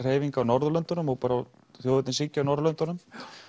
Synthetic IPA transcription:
r̥heːjviŋkaːwnɔɾðʏlœnt̪ʏnʏmɔɣpaːɾa | θjowðʏt̪ɪnsicːawnɔɾðlœnt̪ɔɾnʏm

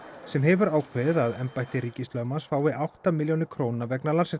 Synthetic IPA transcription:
sɛmɦɛvʏɾaːwkʰvɛðaðɛmpajht̪ɪɾiːcɪst̪lœmansfaːwɪʔawht̪amɪljownɪkʰɾoːwnavɛknalansɛ

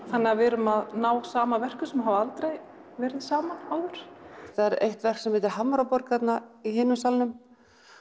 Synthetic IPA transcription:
θanːɪavɪɾʏmaðnaːwsaːmavɛr̥kʏsɛmɦavaalt̪ɾej | vɛːɾɪðsaːmaawðʏɾ̥θaðɛɾḛjht̪vɛr̥ksɛmvɪːt̪ɪɾɦamːaɾapɔɾkʰːat̪naihɪːnʏmsalnʏm

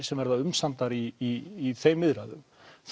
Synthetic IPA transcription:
ɾ̥sɛmvɛɾðaʏmsant̪aɾiːθejmːɪðɾaðʏm | θ

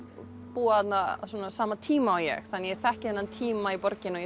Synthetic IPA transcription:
puːaθat̪nasɔːnasaːmat̪ʰiːmaːwjɛ̰xθanːjɛθɛhcɪɛnːant̪ʰiːmaipɔɾcɪnɔjɛ

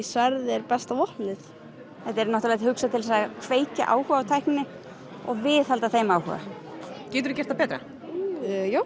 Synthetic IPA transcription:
svaɾðɛɾpɛst̪avɔhlɪθ | hɛt̪ɛɾnɔht̪alajt̪hʏksat̪ʰɪlsaɣakʰveːjca̰ʔa̰ːwhœːɣawt̪ʰajhknɪnɪ | ɔɣvɪðhalt̪aθejmawhœ̰ːɣa̰cɛːt̪ʏɾʏcɛɾ̥t̪apɛːt̪ɾa̰ | joːw

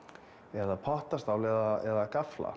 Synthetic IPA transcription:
ɛðapʰɔht̪ast̪awlɛðaɛðakafla̰

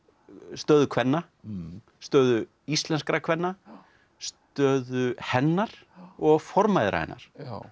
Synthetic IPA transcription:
st̪œːðʏkʰvɛnːa | st̪œːðʏ | ist̪lɛnskɾakʰvɛnːa | st̪œːðʏhɛnːaɾ̥ | ɔɣfɔɾmajðɾa̰hɛ̰nːa̰ɾ̥

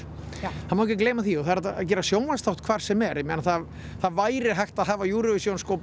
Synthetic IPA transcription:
anmawɛcɛkleːjmaθiɔθaðɛɾɛt̪aa̰c̬ɛːɾasjoːwnvanst̪aw̥t̪̚kʰv̥aːɾ̥sɛmɛɾɛmɛːnaθað | θaðvaːjɾɪɾɦajxt̪aðɦaːvajuːɾʏvɪsjoːwnskowp

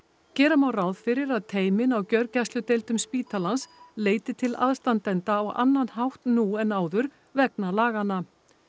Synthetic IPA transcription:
cɛːɾamawrawðfɪɾɪɾaðt̪ʰeːjmɪnawcœɾcast̪lʏt̪ejlt̪ʏmspiːt̪ʰalansleːjt̪ɪt̪ʰɪla̰ðst̪ant̪ɛnt̪aɔɣa̰nːanɦawht̪nuɛnaːwðʏɾ | vɛknalaːɣanːa

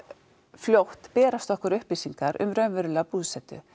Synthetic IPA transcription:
fljowht̪pɛːɾast̪ɔhkʏɾʏhpliːsiŋkaɾʔʏ̰mɾœnvʏɾʏlapuːðsɛt̪ʏ̰

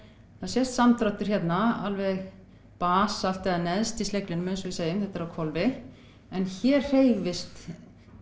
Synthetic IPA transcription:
θaðsjɛst̪samt̪ɾat̪ʏɾ̥çjɛt̪naa̰lvɛɣ | paːsal̥t̪ɛðanɛðst̪islejklɪnmɛnsɔvɪseːjʏmθɛht̪aɾawkʰvɔlvɪ | ɛnçɛːɾ̥r̥eːjɣvɪst̪

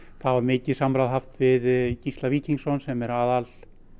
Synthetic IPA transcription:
θavaɾmɪːcɪsamɾaðɦaft̪vɪðcist̪laviːciŋksɔnsɛmɛɾaːðal

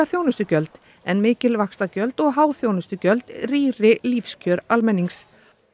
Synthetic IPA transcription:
aθjownʏst̪ʏcœlt̪ | ɛnmɪːcɪlvakst̪acœlt̪ɔɣɦaːwθjoːwnʏst̪ʏcœlt̪riːrɪlifscʰœɾalmɛnːiŋks

